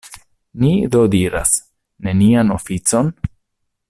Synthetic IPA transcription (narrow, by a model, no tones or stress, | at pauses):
nid̪odiɾa̰s | ne̞nianofit͡so̞n